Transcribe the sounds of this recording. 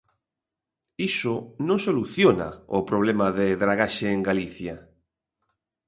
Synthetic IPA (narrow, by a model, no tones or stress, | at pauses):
isʊnõŋsoluθjona̰opɾoβ̞lemaðeðɾaɣaʃeːŋɡaliθja